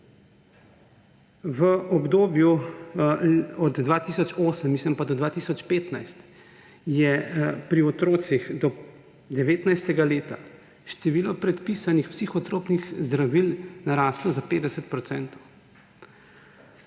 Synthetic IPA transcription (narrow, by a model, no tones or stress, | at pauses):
ʋəɔbd̪oːbju | ɔd̪d̪ʋaːt̪isɔt͡ʃoːsəmːisləmpad̪ɔd̪ʋaːt̪isɔt͡ʃpeːt̪najst̪ | jɛpɾiɔt̪ɾoːt̪sixd̪ɔ | d̪ɛʋeːt̪najst̪ɛɡaleːt̪a̰ | ʃt̪ɛʋiːlɔpɾɛt̪piːsanixpsixɔt̪ɾoːpnixzd̪ɾaʋilnaɾaːslɔzapeːd̪ɛsɛt̪̚pɾɔtsɛːnt̪ɔw